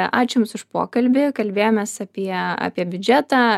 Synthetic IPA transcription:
ɑːt͡ʃʲʊmsʊʃpo̰ːkɐlʲbʲɪkɐlʲbʲeːjoːmʲeːsɐpʲiɛɑ̰ːpʲiɛbʲʊd͡ʒʲæːt̪ɑː

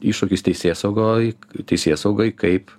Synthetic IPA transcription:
iːʃoːkʲɪst̪ʲɛɪsʲeːsɐʊɡojt̪ʲɛɪsʲeːsɐʊɡoːjkɐɪp

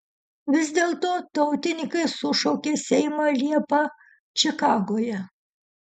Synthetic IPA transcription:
ʋʲɪzʲd̪ʲeːlˠt̪oːt̪ɐʊt̪ʲɪnʲɪkɐɪsʊʃɔʊkʲeːsʲɛɪmalʲiɛpɐ | t͡ʃʲɪkɑːɡoːjɛ

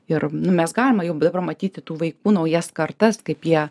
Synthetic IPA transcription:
ɪrnʊmʲɛsɡɑːlʲɪmɐjɛʊd̪ɐbɐrmɐt̪ʲiːt̪ʲɪt̪uːʋɐɪkuːnɐʊjɛskɐrt̪ɐskɐɪpjiɛ

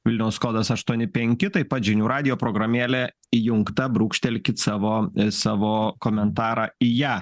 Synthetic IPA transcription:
ʋʲɪlʲnʲɛʊsskoːd̪ɐsɐʃt̪uɔnʲɪpʲɛŋʲkʲɪt̪ɐɪpɐt̪ʒʲɪnʲuːɾɑːd̪ʲɪjoːpɾoːɡɾɐmʲeːlʲɛ | ijʊŋkt̪ɐbɾuːkʃʲt̪ʲɛlʲkʲɪt̪sɑːʋoːsɑːʋoːkoːmʲɛnt̪ɑːɾɑːijæː

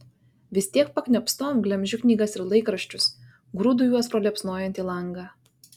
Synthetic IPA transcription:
ʋʲɪsʲt̪ʲiɛk̚pɐkʲnʲɛpst̪oːmɡlʲɛmʲʒʲʊknʲiːɡɐsɪɾlˠɐɪkɾɐʃʲt͡ʃʲʊs | ɡɾud̪ʊːjuɔspɾoːlʲɛpsnoːjɛnʲt̪ʲiːlˠɐŋɡɑː

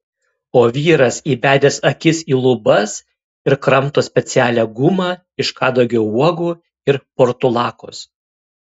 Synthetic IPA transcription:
oːʋʲiːɾɐsiːbʲæːd̪ʲeːsɐkʲɪsiːlˠʊbɐs | ɪɾkɾɐmt̪oːsʲpʲɛt̪sʲæːlʲæːɡʊmɑː | ɪʃkɑːd̪oːɡʲɛuɔɡuː | ɪɾpɔɾt̪ʊlˠɑːko̰ːs

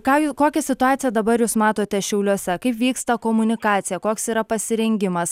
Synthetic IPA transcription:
kɑːjuːskoːkʲɛsʲɪt̪ʊɑːt̪sʲɪjɛd̪ɐbɐɾjuːsmɑːt̪oːt̪ʲɛʃʲɛʊlʲuɔsʲɛkɐɪpʋʲiːkst̪ɐkoːmʊnʲɪkɑːt̪sʲɪjɛkoːksiːɾɐpɐsʲɪɾʲɛŋʲɡʲɪmɐs

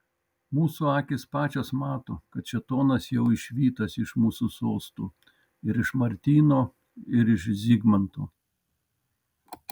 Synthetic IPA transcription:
muːsuːɑːkʲespɑːt͡ʃʲoːsmɑːt̪oːkɐt̪̚t͡ʃʲɛt̪oːnɐsjɛʊɪʃʲʋʲiːt̪ɐsɪʃmuːsuːsoːst̪uː | ɪɾɪʃmɐɾʲt̪ʲiːnoː | ɪɾɪʃzʲiːɡmɐnt̪ṵː

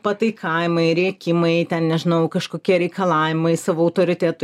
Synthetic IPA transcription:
pɐt̪ɐɪkʰɐːjɪmɐɪɾʲiɛkʲɪmɐɪt̪ʲɛnnʲɛʒʲɪnɐʊkɐʃkoːkʲiɛɾʲɛɪkɐlˠɑːʋʲɪmɐɪsɑːʋoːɐʊt̪oːɾʲɪt̪ʲɛt̪ʊ

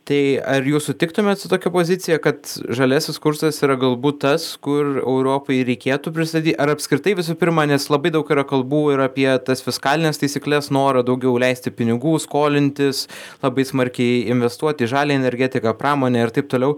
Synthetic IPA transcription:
t̪ɐɪɐɾjuːssʊt̪ʲɪkt̪ʊmʲɛt̪sʊt̪oːkʲɛpoːzʲɪt̪sʲɪjɛkɐt̪ʒɐlʲæsʲɪskʊɾsɐsiːɾɐɡɐlˠbuːtt̪ɐskʊrɛ̰ʊɾoːpoɪɾʲɛɪkʲeːt̪uːpʲɾʲɪst̪ɐd̪ʲiːt̪ʲɐɾɐpʲskɾʲɪt̪ɐɪʋʲɪs̬uːpʲɪɾmɐnʲɛslˠɐbɐɪd̪ɐʊkiɾɐkɐlˠbuːɪɾɐpʲiɛt̪ɐsfʲɪskɑːlʲɪnʲeːst̪ɐɪsʲiːklʲɛsnoːɾɐd̪ɐʊɡʲɛʊlʲɛɪsʲt̪ʲɪpʲɪnʲɪɡuːskoːlʲɪnʲt̪ʲɪslˠɐbɐɪsmɐɾʲkʲɛɪɪnʲʋʲɛst̪uɔt̪ʲɪiːʒɑːlʲeːɛnʲɛɾʲɡʲæːt̪ʲɪkɑpɾɑːmoːnʲɛːɪrt̪ɐɪp̚t̪oːlʲɛʊ

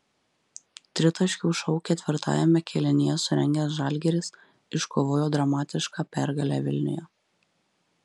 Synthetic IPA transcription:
t̪ʲɾʲɪt̪ɐʃʲkʲuʊʃɔʊkʲɛt̪ʲʋʲɪɾt̪ɑ̰ːjɛmʲɛkʲʰɛlʲɪnʲɪjɛsʊɾʲɛŋʲɡʲɛsʒɑlʲɡʲɛɾʲɪs | ɪʃkoːʋoːjoːd̪ɾɐmɑːt̪ʲɪʃkɑːpʲæɾɡɐlʲæ̰ʋʲɪlʲnʲɪ̰jɛ̰

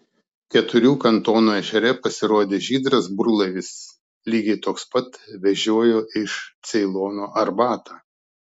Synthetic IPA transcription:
kʲɛt̪ʊɾʲuːkɐnt̪oːnuːɛʒʲɛɾʲɛpɐsʲɪɾoɔd̪ʲeːʒʲiːd̪ɾɐsbɾʊlˠɐʋʲɪs | lʲiːɡʲɛɪt̪oːkspɐt̪ʋʲɛʒʲoɔjoːʔɪʃt̪sʲɛɪlˠoːnoːʔɐɾbɑːt̪a

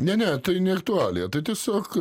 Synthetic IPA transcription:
nʲɛnʲɛt̪ɐɪnʲɛɐkt̪ʊɑːlʲɪjɛt̪ɐɪt̪ʲiɛsʲoːk

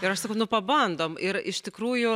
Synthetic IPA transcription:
ɪɾɐʃsɐkɐʊnʊpɐbɐnd̪oːmɪɾɪʃt̪ʲɪkɾuːjʊ

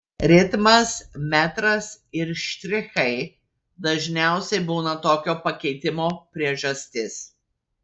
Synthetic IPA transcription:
ɾʲɪt̪mɐsmʲæt̪ɾɐsɪɾʃʲt̪ʲɾʲɪxɐɪ | d̪ɐʒʲnʲæˑʊsʲɛɪbuːnɐt̪oːkʲoːpɐkʲɛɪt̪ʲɪmoːpʲɾʲiɛʒɐsʲt̪ʲɪs

